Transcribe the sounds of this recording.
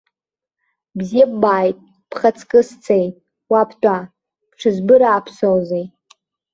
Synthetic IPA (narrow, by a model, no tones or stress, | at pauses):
bzijabbaːjtʼ | pʰχat͡sʰkʼɨst͡sʰejtʼ | wapʰtʷʼa | pʰʈ͡ʂʰɨzbɨɾaːpʰsowzej